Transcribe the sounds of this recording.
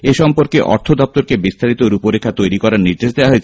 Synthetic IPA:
eʃɔmpoɾkeʔɔ̰ɾt̪ʰod̪ɔp̚t̪oɾkebist̪ʰaɾit̪oɾupoɾekʰːat̪ojɾikɔɾaɾniɾd̪eʃd̪eoaɦoet͡ɕʰe

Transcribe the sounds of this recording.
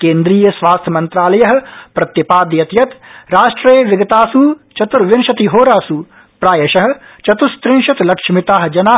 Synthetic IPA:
kẽːnd̪ɾiːjəsʋaːst̪ʰjɐmɐ̃nt̪ɾaːlɐjɐɦ̆pɾɐt̪jɐpaːd̪jɐt̪jɐt̪ɾaːʃʈɾɐjʋɪɡɐt̪aːsut͡ʃɐt̪uɾʋɪnʃɐt̪iɦoːɾaːsuː | pɾaːjɐʃɐɦ | t͡ʃɐt̪ust̪ɾɪ̃nʃɪt̪lɐkʃmɪt̪aːɦd͡ʒɐnaː

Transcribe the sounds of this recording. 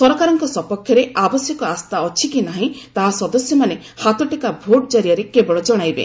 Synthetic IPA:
sɔɾɔkaɾɔŋkɔsɔpɔkʰjɔɾeʔabɔsjɔkɔast̪aɔt͡ʃʰikinaɦĩt̪aɦasɔd̪ɔsjɔmane | hat̪ɔʈikabʱoʈd͡ʒaɾijaɾekebɔɭɔd͡ʒɔɽ̃ajbḛ

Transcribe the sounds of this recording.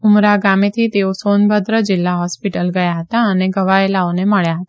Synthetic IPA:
umɾaɡamet̪ʰit̪eosonbʱəd̪ɾəd͡ʒɪlːaɦɔspiʈəlɡəjaɦət̪aəneɡəʋaelaoneməɭjaɦət̪

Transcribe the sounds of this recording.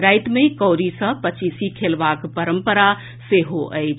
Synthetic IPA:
ɾaɪt̪mekɔʊɾisə̃pət͡ʃisikʰelbakpəɾəmpəɾa | seɦoʔəɪt͡ʃʰ

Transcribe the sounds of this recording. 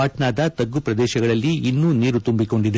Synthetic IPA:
aːʈnaːd̪ɐt̪ɐɡːupɾɐd̪ɛːʃɐɡɐɭɐlːiinːuːniːɾut̪umbiko̞ɳɖid̪e

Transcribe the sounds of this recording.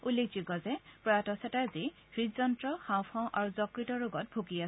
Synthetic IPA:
ulːek̚d͡ʒikɔzɛpɹɔjatɔsɛtaɹzi | ɹizɔntɹɔxãw̃pʰɔ̃ʔaɹuzɔkɹitɔɹoɡɔt̚bʱukia

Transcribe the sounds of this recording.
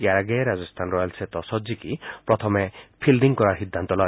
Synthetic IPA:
eaɾaɡeɾad͡ʒɔst̪ʰanɾɔjalset̪ɔsɔd͡ʒikipɾɔt̪ʰɔmepʰilɖiŋkɔɾaɾɦid̪ʱːant̪ɔlɔj

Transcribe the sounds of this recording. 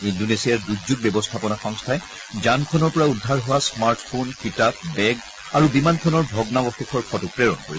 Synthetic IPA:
indonesijaɹduzut̚bɛbɔstʰapɔnaxɔŋstʰaɛ | d͡ʒankʰɔnɔɹpɔɹaudʱːaɹɦɔwasmaɹtpʰonkitap̚bɛɡ | aɹubimankʰɔnɔɹbʱɔɡnabɔxɛkʰɔɹkʰɔtupɹeɹɔnkoɹisɛ

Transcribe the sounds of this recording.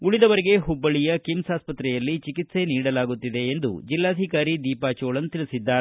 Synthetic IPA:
uɭid̪ɐʋɐɾeɡe̞ɦubːɐɭijɐkimsaːspɐt̪ɾɛjɐlːit͡ʃikit̪se̞niːɽɐlaːɡut̪ːid̪e̞ːnd̪ṵd͡ʒilːaːd̪ʱikaːɾid̪iːpaːt͡ʃoːɭɐnːut̪iɭisid̪ːaː

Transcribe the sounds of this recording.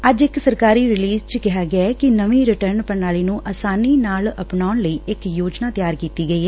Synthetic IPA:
əd͡ʒɪksəɾkaːɾiːɾɪliːzt͡ʃkɪɦaːɡɪakɪnəʋĩːɾɪʈəɾnpənaːliːnũːʔəsaːniːnaːləpnaːʊɳləiːʔɪkjoːd͡ʒnaːt̪jaːɾkiːt̪iːɡəiːɦɛ

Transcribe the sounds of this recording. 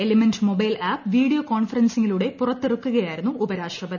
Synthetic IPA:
elemendmo̞bɐjlʔaːpʋiːɽijokoːnfɐrɐnsiŋːiluɽe̞purɐt̪ːerukːuɣɐjaːjiɾunːuubɐɾaːʂrɐbɐði

